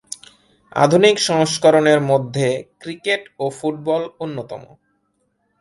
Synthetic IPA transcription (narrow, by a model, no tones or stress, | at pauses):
a̰d̪ʱunikʃɔŋʃkoɾoneɾmod̪ʱːekɾikeʈofuʈ̚bɔlonːot̪ɔ̰mo̰